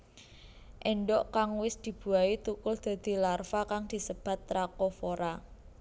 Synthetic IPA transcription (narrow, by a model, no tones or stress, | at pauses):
ʔɛɳɖɔʔkaŋwɪsd̪̥i̤b̥ṳait̪ukʊld̪̥a̤d̪̥i̤larfakaŋd̪̥i̤səb̥a̤t̪ːɾakɔfoɾa